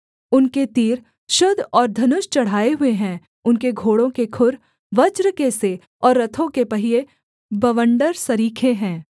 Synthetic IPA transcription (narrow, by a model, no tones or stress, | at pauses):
ʊnket̪iːɾ | ʃʊd̪ʱɔːɾd̪ʱɐnʊʃt͡ʃɐɽ̤aːeɦʊeɦɛ̃ː | ʊnkeɡʱoːɽõkekʰʊɾ | ʋɐd͡ʒɾəkese | ɔːɾːɐt̪ʰõkepɐɦie | bɐʋə̃ɳɖəɾsɐɾiːkʰeɦɛ̃ː